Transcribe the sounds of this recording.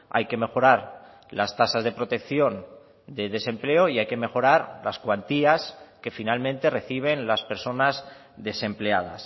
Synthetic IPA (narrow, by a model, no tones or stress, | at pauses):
a̰jke̞me̞xo̞ɾaɾ | last̪asazðe̞pɾo̞t̪e̞kθjo̞n | d̪e̞ðe̞se̞mple̞o̞iajke̞me̞xo̞ɾaɾlaskwant̪iaske̞finalmẽ̞nt̪e̞reθiβ̞e̞nlaspe̞ɾso̞nazðe̞se̞mple̞aða̰s